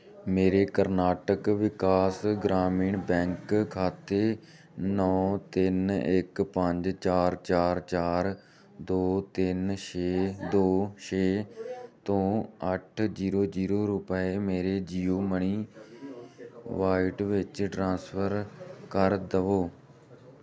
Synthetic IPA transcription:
meːɾeːkəɾnaːʈəkʋɪkaːsɡɾaːmiːɳbɛ̃ːŋkkʰaːt̪eː | nɔːt̪ɪnɪkpəɲd͡ʒt͡ʃaːɾt͡ʃaːɾt͡ʃaːɾ | d̪oːt̪ɪnʃeːd̪oːʃeːt̪õːəʈʰd͡ʒiːɾoːd͡ʒiːɾoːɾʊpəeːmeːɾeːd͡ʒiːoːməɳiː | ʋaːɪʈʋɪt͡ʃʈɾãːspʰəɾkəɾd̪əʋoː

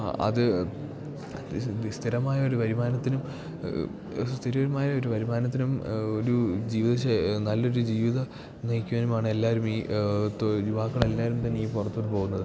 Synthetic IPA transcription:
ɐ̰ðɨ | st̪ʰiɾɐmaːjɐoɾuʋɐɾimaːnɐt̪ːinum | st̪ʰiɾoɾumaːjɐo̞ɾuʋɐɾimaːnɐt̪̬ːinumo̞ɾud͡ʑiːʋiðɐɕenɐlːo̞ɾud͡ʑiːʋiðɐ | nijkʲːuʋɐnumaːɳɨe̞lːaːɾumiːt̪juʋaːkːɐɭe̞lːaːɾumt̪ɐnːejipurɐt̪ːuɳːɨpo̞ːɣunːɐðɨ

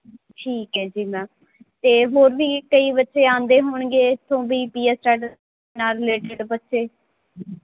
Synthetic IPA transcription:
ʈʰiːkɦɛːd͡ʒiːmɛ̃ː | t̪eːɦoːɾʋiːkəiːbətːʃeːãːnd̪eːɦoːɳɡeːɪt̪ʰːõːbiːpiːɛːsʈɛːʈə | naːɾɪleːʈɪɖbətːʃeː

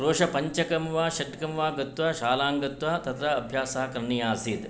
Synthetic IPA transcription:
ɾoːʂɐpɐɲt͡ʃɐkɐmʋaːʃɐʈkɐmʋaːɡɐt̪ʋaːʃaːlaːŋɡɐt̪ʋɐt̪ɐt̪ɾɐɐbʱjaːsɐɦɐkɾɐɳijaːsiːt̪

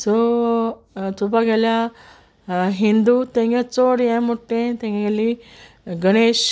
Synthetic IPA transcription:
so | t̪ubɐɡɐla | ɦind̪ut̪eŋɡet͡soːɽijemuʈːet̪eŋɡeɡɐlːi | ɡɐneːʃ

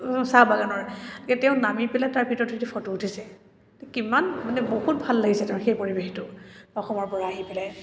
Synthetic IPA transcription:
sabaɡanɔɹtikɛtɛʊ̃namipɛlajtaɹbʱitɔɹtʰitɛpʰɔtuːtʰisɛ | ɛkimanmanɛbohut̚bʱalːaɡisɛtɛ̃ʊ̃xejpoɹibextʊɔxɔmɔɹpɔɹaːɦipɛlaj

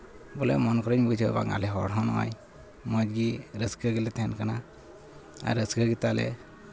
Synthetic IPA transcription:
bɔlɛ̰mɔnkɔɾəɲbud͡ʒəba̰ŋa̰lɛɦɔɽɦɔnɔwa̰j | mɔd͡ʒɡiɾəsɡəɡilɛt̪ʰɛnkana | a̰ɾəsɡəɡit̪alɛ̰

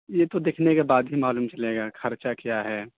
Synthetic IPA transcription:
jet̪od̪eːkʰnekebaːd̪ɦimaːluːmt͡ʃɐleːɡaːxʰɐɾt͡ʃakjaɦɛː

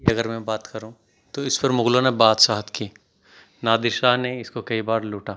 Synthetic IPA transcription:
ɐɡəɾmɛ̃baːt̪kɐɾũ | t̪oɪspɐɾmʊɡlõnebaːt̪saːɦət̪kiː | naːd̪ɪɾʃaːɦneɪskokɐibaːɾluːʈaː

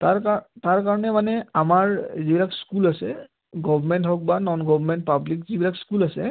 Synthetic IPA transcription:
taɹkataɹkaɹɔnɛmanɛamaɹzibilakskulasɛ | ɡɔbʱɔmɛntɦɔk̚banɔnɡɔbmɛntpablikzibilakskulasɛ

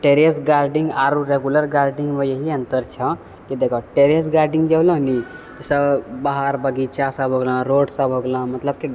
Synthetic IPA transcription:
ʈeɾesɡaɾɖĩŋɡaɾuɾeɡuləɾɡaɾɖĩŋɡmẽjəɦiə̃nt̪əɾt͡ʃʰə̃ | kid̪ekʰɔʈeɾesɡaɾɖĩŋɡd͡ʒəblə̃ni | t̪usəbbaɦaɾbəɡit͡ʃasəbʱɦoɡlə̃ɾoːɖsəbʱɦoɡlə̃mət̪ləb̚ki

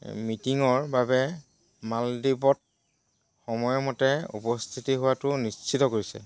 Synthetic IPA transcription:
mitiŋɔɹbabɛ | maldibɔt̚ | xɔmɔjɔmɔtɛṵpɔst̪ʰitiɦʊwatʊnist͡ʃʰitɔkoɹisɛ̰

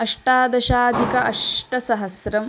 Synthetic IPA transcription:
ɐʂʈaːd̪ɐʃaːd̪ʱikɐʔɐʂʈɐsɐɦɐsɾɐm

